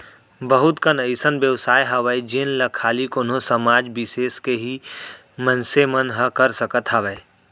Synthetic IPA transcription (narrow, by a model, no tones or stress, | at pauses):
bəɦʊt̪kənəɪsənbjəʋsaːjɦɐʋəed͡ʒenlɐkʰaːlikoːnɦõsɐmaːd͡ʒbɪseːskeɦi | mə̃nsemənɦəkəɾsəkət̪ɦɐʋəe